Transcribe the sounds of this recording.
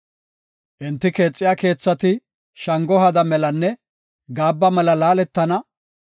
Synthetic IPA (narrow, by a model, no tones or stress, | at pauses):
ʔɪnt̪ːɪke̞ːt͡sʼːɪjaːke̞ːt͡sːɐt̪ɪ | ʃɐŋɡɔɦɐd̪ɐmɛlɐnːɛ | ɡaːbːɐmɛlɐlaːlɛt̪ːɐnɐ